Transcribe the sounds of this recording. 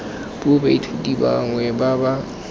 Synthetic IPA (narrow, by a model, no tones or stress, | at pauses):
b̥obaitʰediba̰ŋwɛbaba